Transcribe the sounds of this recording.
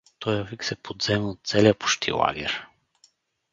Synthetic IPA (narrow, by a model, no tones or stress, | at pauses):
t̪ɔjɐviksɛpʰod̪z̥ɛmot̪̚t̪sɛliəpʊ̥ʃt̪ʰḭlˠa̰ɡ̟ɛ̰ɾ